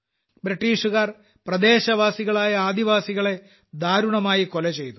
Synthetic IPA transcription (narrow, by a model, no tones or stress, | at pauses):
bɾiʈːiːʂuɣaːr | prɐd̪e̞ːɕɐʋaːsiɣɐɭaːjɐaːd̪iʋaːsiɣɐɭe̞ | d̪ʱaːɾuɳɐmaːjiko̞lɐt͡ɕe̞jt̪u